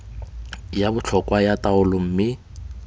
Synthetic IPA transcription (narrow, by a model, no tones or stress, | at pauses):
jabʊt͡ɬʰɔkwajataʊlʊm̩mɪ